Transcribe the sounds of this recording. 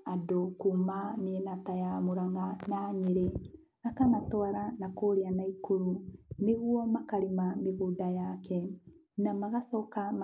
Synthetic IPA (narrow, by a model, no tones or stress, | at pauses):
adokumaneɛnatajamoɾaŋɡanaɲeɾe | akanatɔaɾanakoːɾeanaikoɾuneɣwɔmakaɾemameɣodajakɛ | namaɣasɔkam